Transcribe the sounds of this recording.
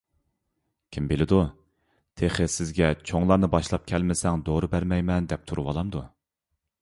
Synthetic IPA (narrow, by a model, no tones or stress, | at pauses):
kʲʰimbɪlɪd̪u | t̪ʰeχɪsɪzɡʲɛt͡ʃʰoŋlˠɑɾnɨbɑʃlˠɑp̚kʲʰɛlmɪsɛŋd̪oɾubæɾmɛjmɛnd̪ɛp̚t̪ʰuɾuwɑlˠɑmd̪u